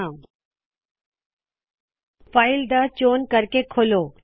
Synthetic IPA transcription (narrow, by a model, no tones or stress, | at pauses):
faːɪld̪ət͡ɕoːnkɐɾkekʰoloː